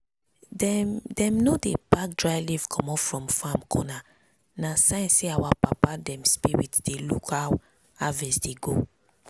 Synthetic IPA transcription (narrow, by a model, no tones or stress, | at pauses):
dɛ̃mnodebak̚dɹajlivkʰɔ̃mɔfɹɔ̃mfãmkʰɔna | nasãɪ̃nseawapapadɛ̃mspiɹḭtd̥elukhaw | avɛsdeɡo